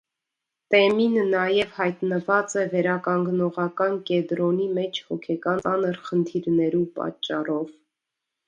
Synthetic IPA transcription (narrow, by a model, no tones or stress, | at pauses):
t̪ɛminnɑjɛvhɑjt̪nəvɑt͡sɛvɛɾɑkɑŋɡnɔʁɑkɑnkɛd̪ɾɔnimɛt͡ʃʰhɔkʰɛkɑnɑnəɾχənt̪ʰiɾnɛɾupɑ̰t͡ʃːɑ̰rɔv